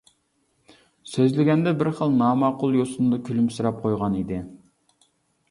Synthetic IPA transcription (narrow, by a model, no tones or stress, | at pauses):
søzlɪɡʲɛnd̪ɛbɪɾχəlˠnɑːmɑqʊlˠjosunɨd̪ɑkʲʰylymsɨɾɑp̚qʰojʁɑnid̪ɪ